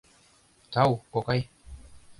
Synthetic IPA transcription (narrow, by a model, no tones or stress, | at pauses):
tawkɔkaj